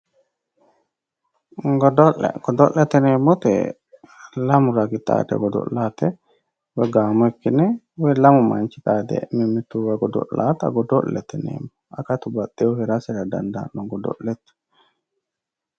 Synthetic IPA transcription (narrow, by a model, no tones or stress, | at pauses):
ɡdɔʔɛ̰ɡ̥ɔd̪ɔʔɛt̪ɛneːmːɔt̪ɛ̰ | lɐmʊɾɐɡɪt̪a̰ːd̪ɛ̰ɡɔd̪ɔ̰laːt̪ɛ | wɛɡaːmɔɛkːɪnɛ | wɛlɐmʊmɐ̰nt͡ʃɪᶑaːd̪ɛ̰mɪmːɪt̪ːuwɛɡɔd̪ɔ̰la̰ːt̪ɐ̰ɡɔd̪ɔlːɛt̪ɛnḛːmːɔɐkɐt̪ʊbɐt̪ʼːɛɔhɛɾasɛdɐd̪ɐ̰nd̪a̰ːnːɔŋɡɔd̪ɔ̰lːɛt̪